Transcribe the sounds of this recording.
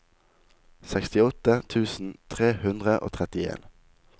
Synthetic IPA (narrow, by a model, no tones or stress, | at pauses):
sɛkst̪ɪɔt̪ət̪ʰʉːsn̩t̪ʰʁeːhʉnd̪ʁəʔo̰ːt̪ʰʁɛt̪ɪḛːn